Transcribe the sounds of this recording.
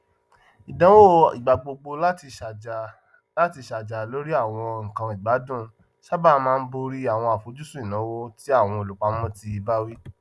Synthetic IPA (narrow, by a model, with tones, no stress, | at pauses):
i˨dã˨˦wo˦ḭ˨ɡ͡ba˨ɡ͡bo˧ɡ͡bo˧la˦ti˧ʃ | la˦ti˧ʃa˨d͡ʒa˨lo˦ɾi˦a˦˨w̃ɔ̃˧ŋ̩˨kã˧i˨ɡ͡ba˨˦dũ˦˨ | ʃa˦ba˦˨˦mãː˦˧n̩˦bo˧ɾi˦a˦˨w̃ɔ̃˧a˨fo˨˦d͡ʒu˦sũ˦i˦˨nã˨˦wo˦ti˦a˦˨w̃ɔ̃˧o˨lu˨˦k͡pa˦mɔ̃˦ti˧i˧ba˦wi˦